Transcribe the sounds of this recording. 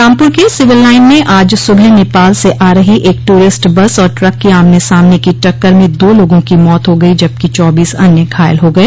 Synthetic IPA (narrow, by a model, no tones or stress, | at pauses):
ãːmpʊɾkesɪʋɪlːaːɪnmẽʔaːd͡ʒsʊbʱɛneːpaːlseʔaːɾəɦiʔeːk̚ʈuːɾɪsʈbɐsɔːɾʈɾɐkːiaːmnesaːmnekiʈɐkːəɾmẽd̪oːloːɡõkimɔːt̪ɦoɡɐid͡ʒɐb̚kit͡ʃɔːbiːsɐ̰njəkʰaːɪlɦoɡɐeː